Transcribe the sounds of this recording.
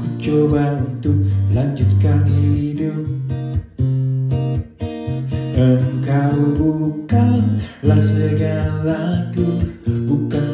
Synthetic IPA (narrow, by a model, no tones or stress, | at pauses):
kut͡ʃobaʔunt̪ʊk̚land͡ʒut̪̚kanidɨ | ʔəmkabukanlasəɡalakubuka